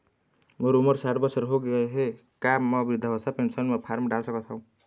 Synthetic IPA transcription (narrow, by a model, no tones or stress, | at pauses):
moɾumʌɾsaʈʰbʌsʌɾɦoɡʌɦe | kamːʌbɾid̪ʱːʌɦɔsapensʌnmʌpʰarmɖalsʌkɔt͡sʰʌw̃